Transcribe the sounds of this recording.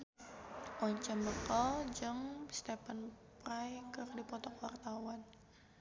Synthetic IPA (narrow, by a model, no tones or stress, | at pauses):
ʔɔɲt͡ʃaməkəld͡ʒɨŋst̪ɛpan | pɾajkɨrdipɔt̪ɔkwart̪awan